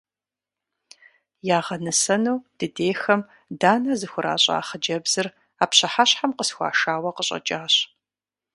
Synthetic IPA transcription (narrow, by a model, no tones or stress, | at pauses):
jaːʁɐnɨsɐnuwd̥ɨdeːxɐm | daːnɐzɨxʷʊɾa̰ːɕʼa̰ːχəd͡ʒɐbz̥ɨr | aːpɕɐħaɕħamqəsxʷa̰ːʃaːwɐqəɕʼɐ̰t͡ʃʼaːɕ